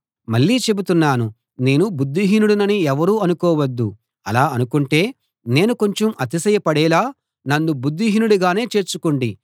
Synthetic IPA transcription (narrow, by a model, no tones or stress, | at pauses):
mɐɭːiːt͡ʃe̞but̪unːaːnu | ne̞ːnubud̪ːiɦinuɽunɐniɛʋɐɾuːɐnukɔːʋɐd̪ːu | ɐlaːɐnukuɳʈe̞ː | ne̞ːnuko̞ɲt͡ʃemʔɐt̪isɐjɐpɐɽɛːlaː | nɐnːubud̪ːiɦinuɽuɡaːne̞ːt͡ʃe̞ːɾt͡ʃukoɳɖi